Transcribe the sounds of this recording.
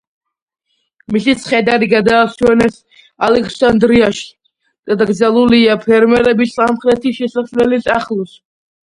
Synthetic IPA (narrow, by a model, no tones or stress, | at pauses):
misit̪sʰχɛd̪aɾiɡad̪aːsɛnɛs | alɛkʰsand̪ɾiaʃ | d̪̥ad̪aɡd̪zalˠuliapʰɛɾmɛɾɛbisamχɾɛt̪ʰiʃɛsaslɛlisaχlˠus